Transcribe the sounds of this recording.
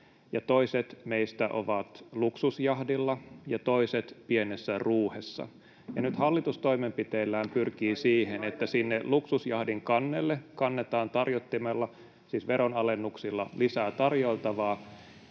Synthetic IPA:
jɑt̪oiset̪meist̪æʔoʋɑt̪luksusjɑhdilːɑjɑt̪oiset̪pienesːæruːhesːɑ̰ | jɑnyt̪hɑlːit̪ust̪o̞imempit̪eːlːæːmpyrkiːsiːhenet̪ːæsinːeluksusjɑhdiŋkɑnːelːekɑnːet̪ɑːnt̪ɑrjot̪ːimelːɑ | siːsʋeɾonɑlenːuksilːɑlisæːt̪ɑrjoilt̪ɑʋɑː

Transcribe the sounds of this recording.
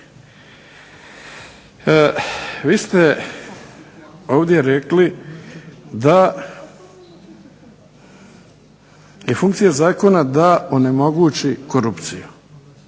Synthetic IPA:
ʋiːst̪e | oːʋd̪je̞ɾekli | d̪a | jefuŋkt̪sijazaːko̞nad̪aone̞mo̞ɡuːt͡ʃikoɾupt̪siju

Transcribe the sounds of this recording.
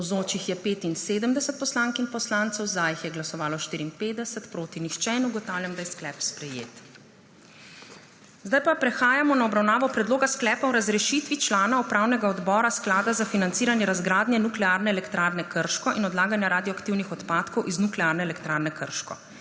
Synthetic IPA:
zoːt͡ʃixjɛpeːt̪inseːd̪əmd̪ɛsət̪̚pɔslaŋkinpɔslaːnt̪sɛwzaːjixjɛɡlasɔʋaːlɔʃt̪iːɾiːnpeːd̪d̪ɛsət̪pɾoːt̪inixt͡ʃɛnuɡɔt̪aːwljamd̪ajɛsklɛpspɾɛjḛːt̪ | zd̪ajpapɾɛxaːjamɔnaɔbɾawnaːʋɔpɾɛd̪loːɡasklɛːpawɾazɾɛʃit̪ʋit͡ʃlaːnaɔpɾaːwnɛɡaɔd̪bɔːɾasklaːd̪azafinant̪siːɾanjɛɾazɡɾaːd̪njɛnuklɛaɾnɛɛlɛkt̪ɾaːɾnɛkəɾʃkɔʔinɔd̪laːɡanjaɾaːd̪iɔakt̪iwnixɔt̪paːt̪kɔwʔiznuklɛaːɾnɛɛlɛkt̪ɾaːɾnɛkəɾʃkɔ̰

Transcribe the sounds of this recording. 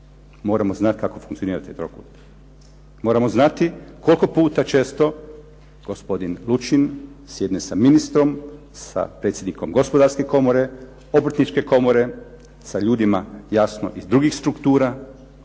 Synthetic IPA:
mo̞ːɾamoznat̪kako̞fuŋkt̪sioniːɾat̪it̪ɾo̰ku | mo̞ːɾamoznat̪iko̞lʲko̞puːt̪at͡ʃe̞ːst̪o̞ | ɡ̥o̞spo̞d̪inlˠut͡ʃinsjed̪nesaminist̪ɾo̞m | sa̰pɾet̪sjed̪niko̞mɡo̞spo̞d̪aɾske̞ko̞moɾe̞ | o̞bɾt̪nit͡ʃke̞ko̞moɾe̞ | saʎuːd̪imajasno̰ʔizd̪ɾuɡixst̪ɾukt̪uːɾa

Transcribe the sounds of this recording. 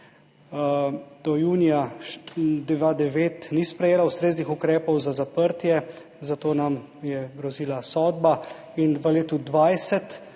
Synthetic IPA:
d̪̥ɔjuːnija | d̪ɛʋad̪ɛʋeːt̪nispɾɛjeːlaust̪ɾeːznixukɾɛːpɔwzazapəɾt̪jɛ | zat̪oːnam | jɛɡɾɔziːlasɔːd̪ba | inʋəleːt̪ud̪ʋajsɛt̪

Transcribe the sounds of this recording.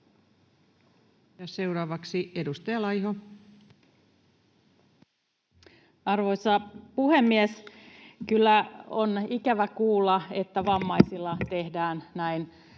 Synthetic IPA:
jɑseuɾɑːʋɑksiedust̪ɑjɑlɑjho | ɑrʋoisɑpuhemːieskylːæonikæʋækuːlːɑet̪ːæʋɑmːɑisilːɑt̪ehdæːnnæin

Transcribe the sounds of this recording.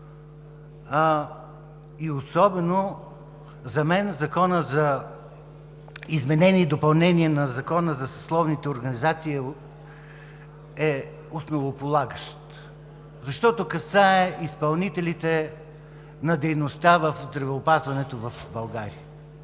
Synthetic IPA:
iosɔbɛno | zɐmɛnzɐkɔnəzɐ | izmɛnɛniːd̪opɐlˠnɛniɛnɐzɐkɔnəzɐsɐ̥slˠɔvnit̪ɛoɾɡɐnizat̪siː | ɛ | osnovopolˠaɡəʃt̪ | zɐʃt̪ɔt̪okɐsaɛʔispɐlˠnit̪ɛlit̪ɛ | nɐd̪ɛjnost̪avəfzd̪ɾɐvɛopazvɐnɛt̪ovɐfbɐlˠɡaɾiə

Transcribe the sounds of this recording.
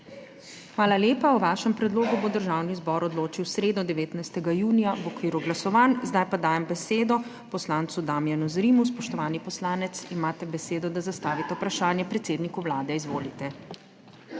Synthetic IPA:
xʋaːlaljeːpawʋaʃɛmpɾɛd̪loːɡubod̪əɾʒaːwnizbɔɾɔd̪loːt͡ʃiwsɾeːd̪nɔd̪ɛʋeːt̪najst̪ɛɡajuːnijaʋɔkʋiːɾuɡlasɔʋaːnzd̪ajpad̪aːjɛmbɛseːd̪ɔ | pɔslaːnt̪sud̪aːmjanuzɾiːmuspɔʃt̪ɔʋaːnipɔslaːnɛt̪simaːt̪ɛbɛseːd̪ɔd̪azast̪aːʋit̪ɛupɾaʃaːnjɛpɾɛt̪seːd̪nikuwlaːd̪ɛizʋoːlit̪ɛ

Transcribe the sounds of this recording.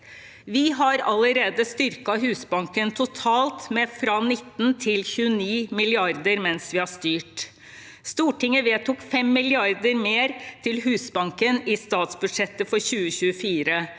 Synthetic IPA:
ʋɪɦɑɾɑlːəɾeːd̪əst̪ʏɾkɑɦʉːsbɑŋkənt̪ʰʊt̪ʰɑːlt̪mɛfɾɑnɪt̪ːn̩t̪ʰɪlçʉəniːmɪlɪɑɾd̪əɾmɛnsʋɪhɑʂt̪yːʈ | st̪uːʈɪŋːəʋeːt̪ʊkfɛmːɪlɪɑɾd̪əɾmeːɾt̪ʰɪlɦʉːsbɑŋkənɪst̪ɑːt̪sbʉd̪ʂɛt̪ːəfɔɾçʉːəçʉːəfiːɾə

